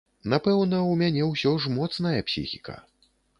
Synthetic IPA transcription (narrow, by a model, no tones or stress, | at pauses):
napɛwnɐwmʲanʲɛwsʲɔʐmɔt̪snɐjɐpsʲḭxʲikɐ̰